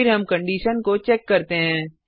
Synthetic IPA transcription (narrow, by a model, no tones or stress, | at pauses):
ɪɾɦɐmkɐ̃ɳɖiːʃənkot͡ʃɛːkːɐɾt̪eɦɛ̃ː